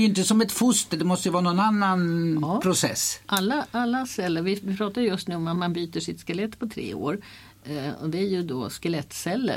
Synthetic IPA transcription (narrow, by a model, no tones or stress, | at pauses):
jʏɪnt̪əsɔmɛt̪fʊst̪əd̪ɛmɔst̪əjəvɑːnɔnanːanpʰɾʊsɛ̰sːʔalːaʔalːasɛlːəɾvɪpʰɾɑːt̪ajəjɵst̪nʉ̟ːɔmat̪manbyːt̪əʂɪt̪skalɛt̪ːpʰɔt̪ʰɾḛːo̰ːɾ | ɔ̰d̪ɛæɾjɵd̪oskəlɛt̪ːsɛlːə̰